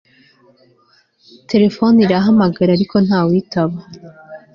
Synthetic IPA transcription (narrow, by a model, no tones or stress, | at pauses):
tʰe̞ɾe̞fo̞niɾaɦamaɡaɾaɾiko̞n̥haːwitaβa